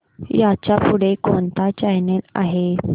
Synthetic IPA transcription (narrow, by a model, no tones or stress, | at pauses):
jat͡ɕapuɽ̤ekont̪at͡ɕaɦnela̰ɦe